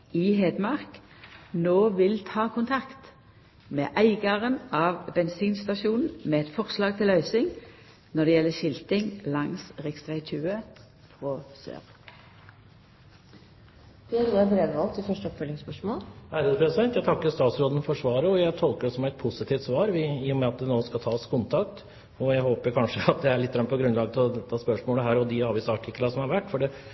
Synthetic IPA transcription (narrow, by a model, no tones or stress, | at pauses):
ɪɦeːd̪mɑʁk | noːʋɪlt̪ʰɑːkʰʊnt̪ʰɑkt̪ | mḛːʔæɪɡɑʁənɑʋbɛnsiːnst̪ɑʃuːnn̩meːɛt̪fɔʁslɑːɡ̚t̪ʰɪlɑʏsɪŋ | nɔd̪ɛjɛlːəʃɪlt̪ɪŋlɑŋsʁɪkst̪ʋæɪt̪ʰʉːə | fʁɔsø̰ːʁ | pɪɑɾuɑbɾeːd̪ʋɑlt̪ɪfœʂʈəɔpfœlːɪŋspœʂmoːlhæɾəd̪əpʰɾɛsɪd̪ɛnt̪jæɪt̪ʰɑkːəɾst̪ɑːt̪sɾoːd̪ən̩fɔʂʋɑːɾəɔjæɪt̪ʰɔlkəɖɔsɔmæɪt̪̚pʰʊsɪt̪ʰiːft̪sʋɑːɾʋɪiːʊmɛɑt̪̚d̪ɛnoːskɑt̪ʰɑːskʰʊnt̪ʰɑkt̪ | ɔjæɪhoːpəɾkʰɑnʂəɑt̪̚d̪ɛæɭɪt̪ːəɡɾɑnəpʰɔɡɾʉnlɑːɡət̪ʰɪlɔt̪ʰɑːspœʂmoːləɦæːɾɔd̪ɪɑːʋiːsɑɑʈʰɪkːlɑsɔmhɑɾʋæʈːfɔɖɛ